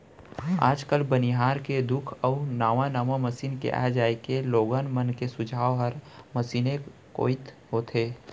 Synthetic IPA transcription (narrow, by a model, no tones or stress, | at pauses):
a̰ːd͡ʒkəlbəniɦaːɾked̪ʊkʰəʊnaːʋãnaːmaməsiːnkḛʔa̰ːɦd͡ʒaːekeloːɡənmənkesʊd͡ʒʱaːɦəɾməsiːneko̰ːɪt̪ɦoːt̪ʰeː